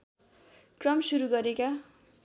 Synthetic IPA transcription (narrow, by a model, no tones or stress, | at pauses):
krʌmsuɾuɡʌɾeka